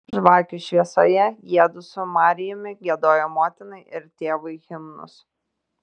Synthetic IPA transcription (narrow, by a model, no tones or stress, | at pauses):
ʒʋɑːkʲʊʃʲʋʲiɛsoːjɛjiɛd̪ʊsʊmɑːɾʲɪjʊmʲɪɡʲiɛd̪oːjomoːt̪ʲɪnɐɪʔɪɾt̪ʲeːʋɐɪɣʲɪmnʊ̰s